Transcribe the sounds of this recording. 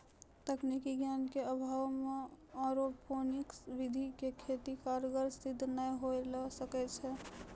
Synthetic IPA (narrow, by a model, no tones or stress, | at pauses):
t̪ɛknikiɡjankeəbʱawmeɔɾopʰoniksʋid̪ʱikekʰet̪ikaɾɡəɾst̪id̪ʱnəjɦoeləsəkɛt͡ʃʰɛ